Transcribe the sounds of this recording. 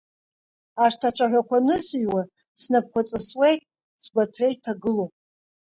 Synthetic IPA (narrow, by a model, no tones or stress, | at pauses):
aʂtʰat͡ʃʷʰʼaħᶣʷakʷʰanɨsʼɥwa | snap̚kʷat͡sʼɨswejtʼ | sɡʷatʰrejtʰaɡɨlopʼ